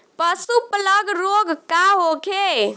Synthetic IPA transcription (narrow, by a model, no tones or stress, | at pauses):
pəsupləɡɾoɡkaɦokʰe